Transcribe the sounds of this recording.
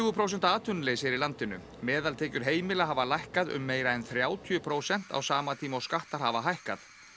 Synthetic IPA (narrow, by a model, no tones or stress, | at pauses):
ɣʏpʰɾowsɛn̥t̪aːt̪ʰʏnleːjsɛɾilant̪ɪnʏ̰ | mɛːðalt̪ʰɛːcʏɾ̥ɦeːjmɪlaɦaːvalajhkaðʏ̰mːeːjɾaɛnθɾjaːwt̪ʰjʏpʰɾoːwsɛn̥t̪a̰wsaːmat̪ʰiːmawskaht̪aɾ̥havaɦajhkaθ